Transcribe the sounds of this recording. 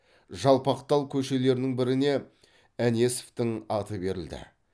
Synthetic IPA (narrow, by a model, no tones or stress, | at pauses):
ʒɑlˠpɑqt̪ɑlˠkʲʰɵʃe̞le̞ɾɪnɪŋbɪɾɪne̞ | ænje̞so̥ft̪ɪŋɑt̪əbe̞ɾɪ̰ld̪ɪ̰